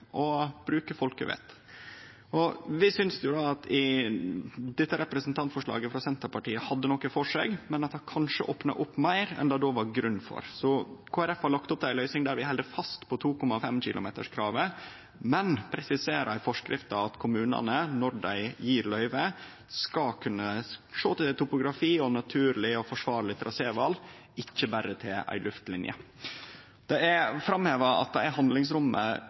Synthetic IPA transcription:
ʔɔb̥ɾʉːkəfɔlkəʋḛːt̪ | ʔɔʋɪsʏnsd̪ɛjʊd̪ɑːɑt̪ʰɪ | d̪ɛt̪ːəɾɛpɾəsn̩t̪ʰɑnt̪fɔʂɭɑ̰ːɡəfɾɑsɛnt̪əɾpɑʈiːəhɑd̪ːənɔkːəfɔʂḛːɡmɛnɑt̪hɑkʰɑnʂəʔoːpnɑ̰ʔʊpːmæɪɾɛ̰nd̪ɑːd̪oʋɑɾɡɾʉnːfɔ̰ɾsɔkʰoːæɾɛfhɑɾɭɑkt̪ɔp̚d̪æɪlœʏsɪŋd̪æɾʋɪhɛld̪əfɑst̪pʰɔt̪ʰuːkɔmːɑfɛmc͡çɪ̰lʔʊ̰mḛːt̪ə̰ʂkʰɾɑːʋə | mɛnpʰɾɛsɪseːɾæɪfɔʂkɾʔɪft̪ɑɑt̪kʰʊmʉːnɑ̰nənɔɾɖæɪjiːɾlœʏʋə | skɑkʰʉnːəʂoːt̪ɪt̪ʊpʊɡɾɑfiːɔnɑt̪ʰʉːɾlɪɔfɔʂʋɑːɾlɪt̪ʰɾʔɑseːʋɑl | ɪçːəbæɾət̪ʰɪlæ̰ɪlʉft̪lɪnjə̰ | d̪ɛæfɾɑmheːʋɑɑ̰t̪̚d̪ɛæɾhɑnd̪lɪŋsɾʊmːə̰

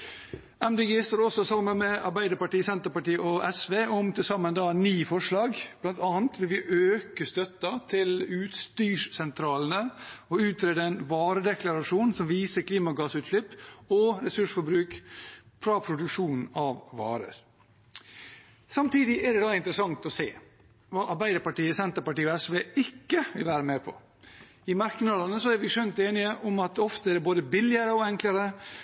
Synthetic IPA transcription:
æmd̪eːɡeːst̪oːɾɔsɔsɑmːənmɛɑ̰ɾbæɪd̪əɾpɑʈiːsɛnt̪əɾpɑʈiːʔɔʔɛsʋeːʔɔmt̪ʰɪlsɑmːənd̪ɑːnyːfɔʂlɑːɡb̥lɑnt̪ʰɑːnt̪ʋɪlʋɪʔøːkəst̪œt̪ːɑt̪ʰɪlʉːt̪st̪yːʂsɛnt̪ʰɾɑːlən̩əɔʉːt̪ʰɾeːd̪əɛnʋɑːɾəd̪ɛkʰlɑɾɑʂuːnsɔmʋiːsəkʰliːmɑɡɑːsʉːt̪ɭɪpːɔɾɛsʉʂfɔbɾʉːkfʰɾɑːpʰɾʊd̪ʉkʂuːnn̩ɑʋʋɑ̰ːɾə̰ɾ | sɑmt̪ʰiːd̪ɪʔæɖ̪ɛd̪ɑɪnt̪əɾəsɑŋt̪ɔsḛː | ʋɑːʔɑɾbæɪd̪əɾpɑʈiːəsɛnt̪əɾpɑʈiːɔɛsʋeːɪkːəʋɪlʋæːɾəmeːpʰɔ̰ | ɪmɑɾkənəlɑnəsɔæɾʋɪʂœnt̪eːnɪəʔʊmɑt̪ɔft̪əæɖ̪ɛboːd̪əbɪlːɪəɾəɔɛŋkləɾə

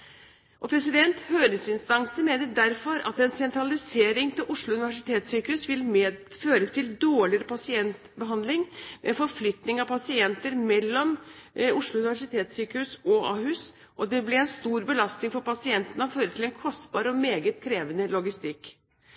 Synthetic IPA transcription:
ʔɔpʰɾɛsɪd̪ɛnt̪høːɾəsɪnst̪ɑŋsəmeːnəd̪æɾfɔɾɑ̰t̪ɛnsɛnt̪ɾɑlɪseːɾɪŋt̪ʰɪlʔʊʂɭʊʉnɪʋæʂɪt̪ʰeːt̪syːkəhʉːsʋɪlmː | føːɾət̪ʰɪld̪oːɭɪɾəpʰɑsɪɛnt̪bəɦɑnd̪lɪŋmɛ̰ɛfɔɾflʏt̪nɪŋɑpʰɑsɪɛnt̪əɾmɛlːɔmʊʂlʊʉnɪʋæʂɪt̪ʰeːt̪syːkəhʉːsɔɑ̰ːhʉs | ʔɔd̪ɛblɛɛnst̪uːɾbəlɑst̪nɪŋfɔɾpɑsɪɛnt̪ənəɔføːɾət̪ʰɪlɛnkʰɔst̪bɑːɾəɔmeːɡət̪kʰɾeːʋənəlɔɡɪst̪ɪkː

